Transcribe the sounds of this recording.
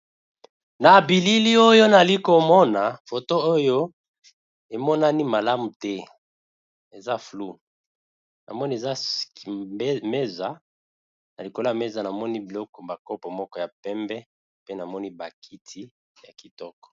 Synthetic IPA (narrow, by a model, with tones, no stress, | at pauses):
na˨bi˨li˦li˦o˦jo˦na˨li˦ko˨mɔ˦na˨fo˨to˦o˦jo˦ | e˨mɔ˦na˦ni˦ma˨la˦mu˨tɛ˦ | e˨za˦flu˦ | na̰˨mɔ˦ni˦e˨za˦˨˦ | me˦za˨˦ | na˨li˨ko˨lo˦ja˨me˦za˨na˨mɔ˦ni˦bi˨lɔ˦kɔ˨ba˨kɔ˦pɔ˨mɔ˦kɔ˦ja˨pɛ˦mbɛ˦ | pe˦na˨mɔ˦ni˦ba˨kʰi˦tʰi˦ | ja˨ki˨tɔ˦kɔ̥˨